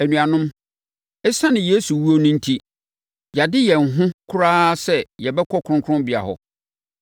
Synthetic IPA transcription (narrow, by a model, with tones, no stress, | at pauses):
æ˨nũ˨a˨nʊ̃˦m | ɛ˦sã˦nɪ̃˨je˦su˨wu˦o˦nʊ̃˦n̩˦tʰi˦ | ja˨dɪ˦jɛ˨ŋ̩˨ɦʊ̃˦kʰʊ˦ɾaː˦sɛ˦jɛ˨bɛ˦kʰɔ˦kʰʊ˨ɾʊ̃˦ŋkʰʊ˦ʊ̃˦mbɪ˨a̰˨hɔ̰˨